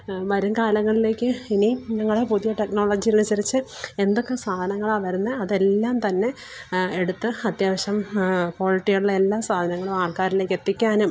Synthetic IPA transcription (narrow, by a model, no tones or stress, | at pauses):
ʋɐɾumkaːlɐŋːɐɭile̞ːkʲːɨiniɲɐŋːɐɭepuðijɐʈe̞kno̞ːɭoːd͡ʑijɐlɐnusɐɾit͡ɕːɨe̞nd̪o̞kːesaːd̪ʱɐnɐŋːɐɭaːʋɐɾunːɨɐðe̞lːaːmt̪ɐnːe̞ | eɽut̪ːɨɐt̪jaːʋɐɕɐmpo̞ːliʈːijuɭːɐelːaːsaːd̪ʱɐnɐŋːɐɭumaːɭkaːɾile̞ːkʲːe̞t̪ːikʲːaːnum